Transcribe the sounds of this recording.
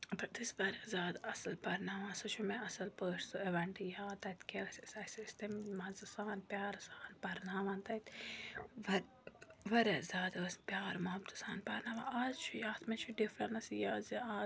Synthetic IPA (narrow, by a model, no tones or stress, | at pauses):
bɐʈd̪isʋɐɾezʲaːd̪ɐsɐlpɐɾnaːmãsɐt͡ʃʰumeʔɐsɐlpəːʂsɨeʋɐɳʈijaːt̪ɐt̪kekssɐsist̪ɐmmɐzɐsaːnpʲjaːɾsaːnpɐɾnaːmãnt̪ɐjt̪ | ʋɐ | ʋɐɾezʲaːd̪ɐspjaːɾmɐɦɐbt̪ɨ̥saːnpɐɾnaːma̰ʔaːzt͡ʃʰujaːt̪ʰmet͡ʃʰuɖifɾɐnɐsijaːziaː